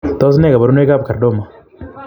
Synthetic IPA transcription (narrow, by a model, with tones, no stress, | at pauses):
t̪ɔ˦s̬ne˦˨ka˨ba˨ɾu˦n˦e˦ka˦b̚ka˨ɾdo˦˨ma˨